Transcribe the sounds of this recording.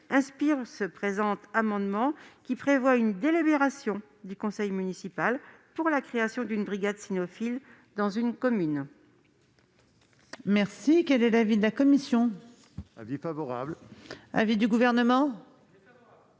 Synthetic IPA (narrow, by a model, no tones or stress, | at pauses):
ɛ̃spiʁsəpχezɑ̃t̪amɑ̃d̪mɑ̃kʲipχevwaynd̪elibeʁasjɔ̃ | d̪ykɔ̃sɛjmynisipalpuʁlakχeasjɔ̃d̪ynbʁiɡad̪sinɔfil | d̪ɑ̃zynkɔmyn | mɛʁsikɛlɛlavid̪əlakɔmisjɔ̃ | vfavɔʁablavid̪yɡuvɛʁnəmɑ̃